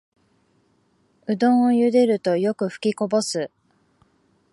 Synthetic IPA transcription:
ɯ̟d̪õ̞ɰ̃ojɯ̟d̪e̞ɾɯ̟t̪o̞jo̞kɯ̟ɸɯ̟̥kʲiko̞bo̞sɨ

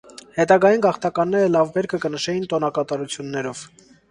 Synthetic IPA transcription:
hɛt̪ɑɡɑjinɡɑχt̪ɑkɑnːɛɾəlɑvbɛɾkʰəkənəʃɛjint̪ɔnɑkɑt̪ɑɾut͡sʰjunːɛɾɔv̥

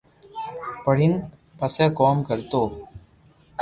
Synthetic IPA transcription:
pəɽ̤in | pəseːkoːmkəɾt̪oː

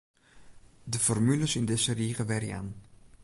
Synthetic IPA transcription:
dəfɔrmyləsɪndɪsəriːɣəʋɛɾja̰n

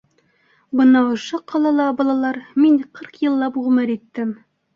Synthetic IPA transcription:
bɤ̆nɑŏʃɤqʰɒlˠɑlˠɑbɒlˠɑlˠɑɾminqʰɤɾqjɤ̆lˠːɑpʁʉ̆mɘɾit̪ːɘm

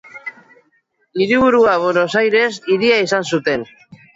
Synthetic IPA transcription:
iɾiβ̞uɾuaβoɾosajɾe̞siɾiaisansut̪e̞n

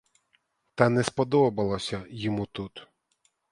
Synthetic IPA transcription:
t̪ɑnɛspɔd̪ɔbɐlˠɔsʲɐjɔmut̪ut̪

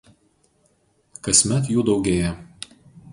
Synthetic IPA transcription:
kɐsʲmʲɛt̪juːd̪ɒʊɡʲeːjɛ

